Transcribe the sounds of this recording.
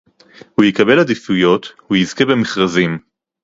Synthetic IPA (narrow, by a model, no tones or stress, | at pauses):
hujikabe̞lad̪ifujo̞t̪hujizke̞bemeχʁazim